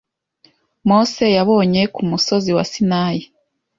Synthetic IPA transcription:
mo̞ːse̞jaβo̞ːɲe̞kumuso̞ziwa̰sinaːji

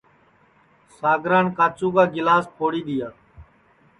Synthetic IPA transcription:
saːɡɾaːnkaːt͡ʃũːkaːɡɪlaːspʰoːɽiːɗ̪ɪjaː

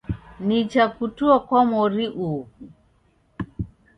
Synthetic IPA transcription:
nit͡ʃakutuɔkɔmɔɾiʔu

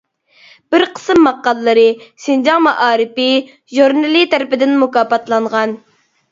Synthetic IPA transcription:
b̥ɪɾqʰə̥sɨmːɑqːɑlˠːɨɾɨsɪnd͡ʒɑŋmɑʔɑːɾɪpɪ | ʒuɾnɨlit̪ʰæɾɪpɪd̪ɪnmukɑːpɑt̪lˠɑɴʁɑn

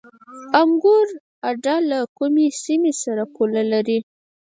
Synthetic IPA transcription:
amɡuɾ | aɖɑlakumesimesaɾakolalaɾi

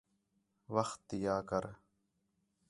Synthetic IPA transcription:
ʋəxt̪jaːkəɾ

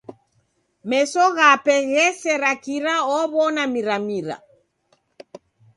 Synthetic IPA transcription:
mɛsɔɣapɛɣɛsɛɾakiɾaɔβɔnamiɾamiɾa̰

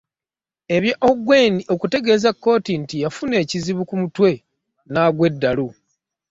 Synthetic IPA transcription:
e̞βjaʔoɡwe̞niʔo̞kute̞ɡe̞ːzakːo̞ːtintijafune̞ːciziβukumutwe̞ | naɡwe̞dːalu

